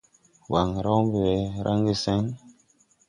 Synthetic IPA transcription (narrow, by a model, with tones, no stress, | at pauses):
wa˨ŋɾa˦wmbe˨ɛ˨ɾʔa˦ŋɡi˦˨sɛ˦ŋ